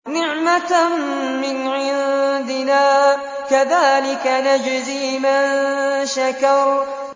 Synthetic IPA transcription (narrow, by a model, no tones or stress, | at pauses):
nɪʕma | mɪnʕɪðd̪ɪnaː | kaðaːlɪkanad͡ʒziːmanʃakɑɾˤ